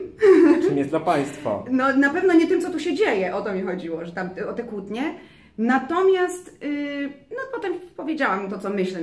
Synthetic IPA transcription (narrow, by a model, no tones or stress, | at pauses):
mʲjɛzd̪lapaj̃st̪fa̰nɔnapɛvnɔɲɛt̪ɨmt̪sɔt̪uɕɛd͡ʑejɛʔɔt̪ɔmʲixɔd͡ʑiwɔʐɛt̪amt̪ɛɔt̪ɛkwut̪ɲɛ | nat̪ɔmʲjast̪ | nɔpɔt̪ɛmpɔvʲjed͡ʑawamt̪ɔtsɔmɘɕlɛ